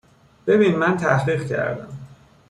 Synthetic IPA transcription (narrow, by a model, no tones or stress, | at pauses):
b̥e̞biːnmænt̪ʰæhɾiːɢcʰæ̰ɾd̪æ̰m